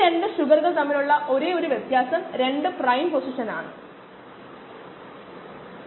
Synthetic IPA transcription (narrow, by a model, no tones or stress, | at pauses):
e̞ɳɖɨɕuɡɐrɣɐɭt̪ɐmːɐluɭːɐʔo̞ɾeːo̞ɾuʋjet̪jaːsɐmɾe̞ɳɖɨprɐjmposiʂɐnaːɳɨ̰